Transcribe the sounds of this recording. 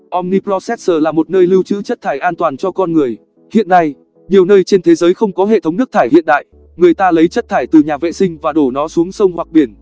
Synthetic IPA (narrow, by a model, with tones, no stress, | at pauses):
ʔɔ˧mni˧plɔ˧sɛ˦˥t̚səː˨˩laː˨˩mo˨˩t̚nəː˧jli˧wt͡ɕɨ̰˧˥t͡ɕə˦˥t̚t̪ʰaː˧˩jʔaː˧nt̪waː˨˩nt͡ɕɔ˧kɔ˧nŋɨ˨˩əj | hḭ˧˨ənːa˧j | ɲi˨˩əwnəː˧jt͡ɕe˧nt̪ʰe˨˦zəː˨˦jxə˧wŋ͡mkɔ˨˦ɦḛ˧˨t̪ʰə˨˦wŋ͡mnɨ˦˥ək̚t̪ʰaː˧˩jhḭ˧ənɗa̰ː˧˨j | ŋɨ˨˩əjt̪aː˧lə˨˦jt͡ɕə˦˥t̚t̪ʰaː˧˩jt̪ɨ˨˩ɲaː˨˩vḛ˧˨sï˧ŋ̟vaː˨˩ɗo˧˩nɔ˨˦su˨˦əŋsə˧wŋ͡mhwa˨˩k̚ɓi˧˩ən